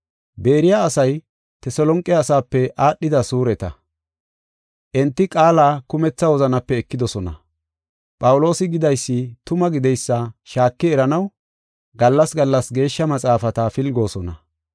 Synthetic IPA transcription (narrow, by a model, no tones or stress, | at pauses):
be̞ːɾɪjaːsɐj | t̪ɛsɔlɔŋkʼːɪːsaːpːɛʔaːɗːɪd̪ɐsuːɾɛt̪ɐ | ʔɛnt̪ːɪkʼaːlaːkʊmɛt͡sːɐwɔzɐnɐpːɛːkːɪd̪ɔsɔnɐ̰ | pʼɐwlo̞ːsɪɡɪd̪ɐjsːɪt̪ʊmɐɡɪd̪ɛjsːɐʃaːkːɪɛɾɐnɐw | ɡɐlːɐsɡɐlːɐsɡe̞ːʃːɐmɐt͡sʼaːfɐt̪ɐfɪlɡo̞ːsɔnɐ